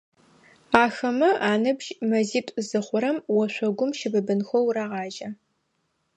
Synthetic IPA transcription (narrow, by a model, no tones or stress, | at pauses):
aːxɐmɐʔaːnɨbʒmɐziːtʷʼzɨχʷʊɾɐmwɔɕʷɔɡʷʊmʃɪbɨbɨnxʷɔwɾaːʁɑːʒɐ